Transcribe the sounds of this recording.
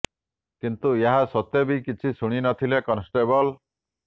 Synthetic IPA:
kint̪ueɦasɔt̪ebikit͡ʃʰisuɽ̃inɔt̪ʰilekɔnsʈebɔl

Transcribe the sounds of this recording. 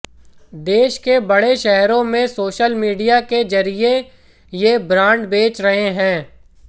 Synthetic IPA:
d̪eːʃkebɐɽeʃɛɦɾõmẽsoːʃəlmiːɖijaked͡ʒɐɾie | jebɾãːɳɖbeːt͡ʃɾɐɦeɦɛ̃ː

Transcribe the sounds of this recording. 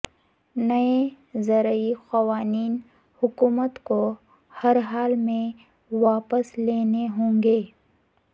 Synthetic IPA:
nɐe | zɐɾəixɐwaːniːn | hʊkuːmət̪ko | hɐɾɦaːlmẽ | waːpəsleːneɦõːŋɡeː

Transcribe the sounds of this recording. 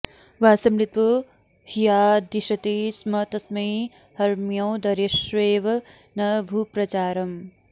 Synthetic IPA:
ʋaːsɐmɾit̪ʋu | hijaːd̪iʃɐt̪ismɐt̪ɐsmɐj | hɐɾmjɐw̃d̪ɐɾeʃʋeːʋɐ | nɐbʱupɾɐt͡ʃaːɾɐm

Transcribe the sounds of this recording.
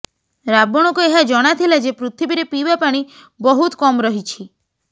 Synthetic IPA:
ɾabɔɽ̃ɔkueɦad͡ʒɔɽ̃at̪ʰilad͡ʒepɾut̪ʰibiɾepibapaɽ̃i | bɔɦut̪kɔmɾɔɦit͡ʃʰi

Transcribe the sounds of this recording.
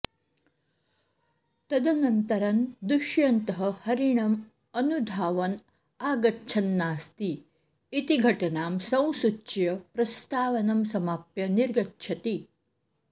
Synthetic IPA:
t̪ɐd̪ɐnɐnt̪ɐɾɐnd̪uʃjɐnt̪ɐɦɐ̆hɐɾiɳɐm | ɐnud̪ʱaːʋɐn | aːɡɐtːt͡ʃʰɐnːaːst̪iː | t̪iɡʱɐʈɐnaːmsɐ̃w̃sut͡ʃt͡ʃjɐpɾɐst̪aːʋɐnɐmsɐmaːpjɐniɾɡɐtːʃʰɐt̪i

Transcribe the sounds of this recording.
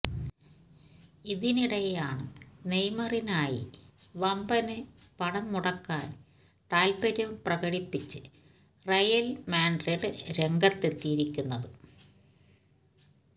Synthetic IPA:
iðiniɽɐjɐjaːɳɨnejmɐrinaːjḭ | ʋɐmbɐnɨ | pɐɽɐmmuɽɐkːaːn | t̪aːlpɐɾjɐʋumprɐɣɐɽipːit͡ɕːɨ | rɐjɐlmaːɳɖreɖɨɾe̞ŋɡɐt̪ːe̞t̪ːijiɾikʲːunːɐðɨ

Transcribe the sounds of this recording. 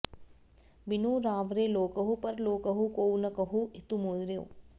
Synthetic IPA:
bɪnuːɾaːʋɾeːloːkəɦupɐɾloːkəɦukoːnɐkɐɦuɪt̪umoːlɾe

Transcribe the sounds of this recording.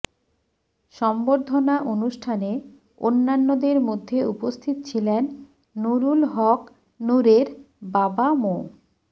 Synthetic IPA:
ʃɔmboɾd̪ʱonaʔonuʃʈʰane | o̰nːanːod̪eɾmod̪ʱːeupost̪ʰit̪ot͡ɕʰilenː | uɾulɦɔk | nuɾeɾ | babamo

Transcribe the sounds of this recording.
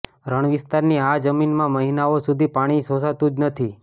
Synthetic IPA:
ɾəɳ̃ʋɪst̪aɾniad͡ʒəminmãməɦinaosud̪ʱipaɽ̃isõsat̪ũd͡ʒnət̪ʰi

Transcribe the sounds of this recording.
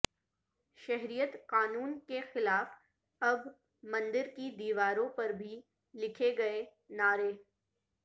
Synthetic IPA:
ʃɐɦɾijət̪qaːnuːnkexɪlaːf | ɐb | mɐ̃nd̪ɪɾkid̪iːʋaːɾõpɐɾbʱi | lɪkʰeɡɐe | naːɾeː

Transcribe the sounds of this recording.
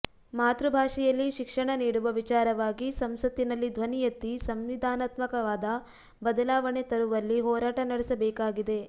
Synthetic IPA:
maːt̪ɾubʱaːʂɛjɐlːiʃikʂɐɳɐniːɽuʋɐʋit͡ʃaːɾɐʋaːɡisɐmsɐt̪ːinɐlːid̪ʱʋɐnijɐt̪ːisɐmʋid̪ʱaːnaːt̪mɐkɐʋaːd̪ɐ | bɐd̪ɐlaːʋɐɳet̪ɐɾuʋɐlːiɦɔːɾaːʈɐnɐɽesɐbɛːkaːɡid̪e̞

